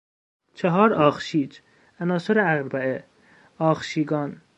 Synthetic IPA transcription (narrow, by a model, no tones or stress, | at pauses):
t͡ʃʰeɦɒːɾɒːxʃiːd͡ʒ | ænɒːsoɾeæɣɾbæe | ɒːxʃiːɡɒːn